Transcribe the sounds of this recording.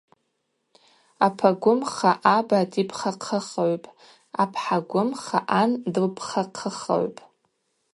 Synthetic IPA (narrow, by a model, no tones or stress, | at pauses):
apʰaɡʷʊmχaʔabatʼipʰχaqʰəχaʕʷpʼ | apʰħaɡʷʊmχa̰ʔandɨlpʰχaqʰəχa̰ʕʷpʼ